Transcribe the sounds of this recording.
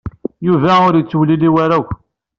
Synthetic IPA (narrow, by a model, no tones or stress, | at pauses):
juvæʊɾjət͡sːwliliwaɾæw